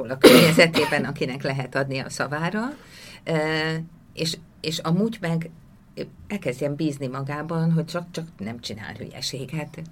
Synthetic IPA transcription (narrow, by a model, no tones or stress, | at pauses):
oːlɒkørɲɛzɛt̪eːbɛnɒkinɛklɛɦɛt̪ɒd̪niɒ̰sɒvaːɾɒ | eːʃ | eːʃɒmuːɟmɛɡ | ɛlkɛzdɟɛmbiːznimɒɡaːbɒnɦo̞ct͡ʃɒk̚t͡ʃɒknɛmt͡ʃina̰ːlɦy̰jɛ̰ʃeːɡɛt̪